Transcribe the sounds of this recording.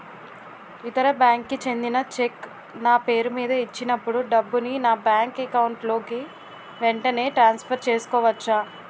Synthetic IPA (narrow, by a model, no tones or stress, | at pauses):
it̪ɐɾɐbjaːŋkːit͡ʃe̞nd̪inɐt͡ʃek | naːpe̞ːɾumiːd̪ɐit͡ʃːinɐpːuɽuɖɐbːuninaːbjaːŋkɐkɐwuɳʈlo̞ːki | ʋeɳʈɐne̞ːʈɾaːnspʰɐɾt͡ʃe̞ːsu̥kɔːʋɐt͡ʃːa